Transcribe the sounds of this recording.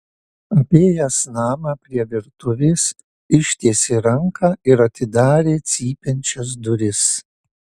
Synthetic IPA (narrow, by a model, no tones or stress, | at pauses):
ɐpʲeːjɛsnɑːmɑpʲɾʲiɛʋʲɪɾt̪ʊʋʲeːs | ɪʃʲt̪ʲeːsʲeɾɐŋkʰɐɪɾɐt̪ʲɪd̪ɑːɾʲeːt̪sʲiːpʲɛnʲt͡ʃʲɛs̬d̪ʊɾʲɪs